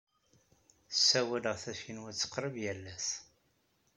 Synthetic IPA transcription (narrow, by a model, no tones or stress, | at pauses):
sːæwæləʁθæʃinwəɾt͡sːə̥qːɾəvjælːæs